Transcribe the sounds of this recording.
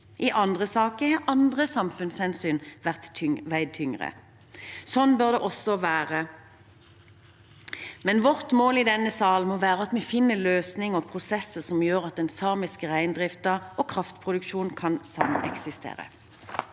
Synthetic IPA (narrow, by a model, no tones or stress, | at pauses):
ʔɪʔɑnd̪ʁəsɑːkəhɑːʁʔɑnd̪ʁəsɑmfʉnshɛnsyːnʋæʁt̪ʋæɪd̪̚t̪ʰʏŋʁə̰ | sɔnbœʁd̪ɛʔɔsɔʋæːʁə | mɛnʋɔʁt̪moːlid̪ɛnːəsɑːlmɔʋæːʁəɑt̪mɛfɪnːəløːsnɪŋɔpʰʁʊsɛsəsɔmjøːʁɑt̪̚d̪ɛnsɑːmɪskəʁæɪnd̪ʁɪft̪ɑɔːkʰʁɑft̪pʰʁʊd̪ʉkʃuːnkʰɑnsɑmɛ̰ksɪst̪ʰḛːʁə̰